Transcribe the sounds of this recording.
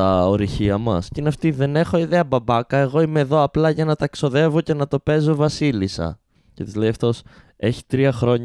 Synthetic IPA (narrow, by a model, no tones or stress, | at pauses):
ɐoɾiçiɐmɐ̰scineɐft̪iðe̞ne̞xo̞iðe̞ɐbɐbɐkɐe̞ɣo̞ime̞ːðo̞ɐplɐʝɐnɐt̪ɐekso̞ðe̞vo̞ce̞nɐt̪o̞pe̞zo̞vɐsilisɐ̰ | cet̪izle̞ijɐft̪o̞s | e̞çi̥t̪ɾiɐxɾo̞ɲ